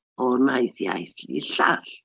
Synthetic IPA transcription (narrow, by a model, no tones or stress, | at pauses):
ɔɣnajθja̰jθlḭɬal